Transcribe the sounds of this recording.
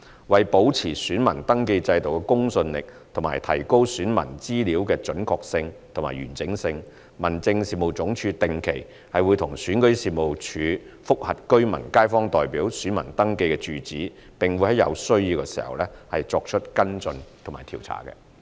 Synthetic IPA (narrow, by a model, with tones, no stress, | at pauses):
wɐ˨jpo˨˥wt͡sʰiː˨˩syː˨˥nmɐ̰˨˩nt̪ɐ˥ŋke˧jt͡sɐ˧jt̪o˨wkɛ˧kʊ˥ŋsɵ˧nlɪ̰˨k̚t̪ʰʊ˨˩maː˨jt̪ʰɐ̰˨˩jko˥wsyː˨˥nmɐ̰˨˩nt͡siː˥liː˨˥wkɛː˧t͡ʃɵ˨˥nkʰɔː˧k̚sɪ˧ŋt̪ʰʊ˨˩ŋma̰ː˨˩jɥyː˨˩nt͡sɪ˨˥ŋsɪ˧ŋ | mɐ˨˩nt͡sɪ˧ŋsiː˨˩mo˨wt͡sʊ˨˥ŋt͡ʃʰyː˧t̪ɪ˨ŋkʰe˨˩j | hɐ˨jwuː˨˧jt̪ʰʊ˨˩ŋsyː˨˥nkɵ˨˥siː˨mo˨wt͡ʃʰyː˨˧fʊ˥k̚hɐ˨t̚kɵ˥ɥmɐ˨˩nkaː˥jfɔː˥ŋt̪ɔː˨jpiː˨˥wsyː˨˥nmɐ̰˨˩nt̪ɐ˥ŋke˧jkɛ˧t͡ʃyː˨t͡siː˨˥ | pɪ˨ŋwu˨˧jhɐ˨˥jɐ̰˨˧wsɵ˥ɥjiː˧wkɛ˧siː˨˩hɐ̰˨wlɛː˥hɐ˨jt͡sɔː˧k̚t͡ʃʰɵ˥t̚kɐ˥nt͡sɵ˧nt̪ʰma̰ː˨˩jt̪ʰiː˨˩wt͡sʰa̰ː˨˩kɛ̰˧